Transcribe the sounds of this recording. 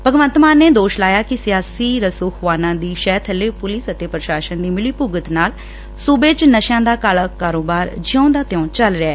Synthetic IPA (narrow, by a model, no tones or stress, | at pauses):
pəɡʋə̃nt̪maːnːeːd̪oːʃlaːjaːkɪsɪjaːsiːɾəsʊkʰʋaːnãːd̪iːʃɛːt̪ʰəlːeːpʊlɪsət̪eːpɾəʃaːʃənd̪iːmɪliːpʊɡət̪naːl | suːbeːt͡ʃnəʃãːd̪aːkaːlaːkaːɾoːbaːɾd͡ʒɪõːd̪aːt̪ɪɔ̃ːt͡ʃəlɾeaɛː